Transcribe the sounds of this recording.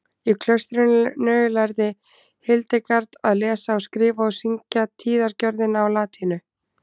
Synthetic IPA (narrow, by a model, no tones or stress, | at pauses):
ikʰlœst̪ɾɪnnœːlajɾðɪ | hɪlt̪ɪkaɾt̪aðlɛːsaɔwskɾɪːvaɔsiɲcat̪ʰiːðaɾcœɾðɪnawlaːt̪ʰinʏ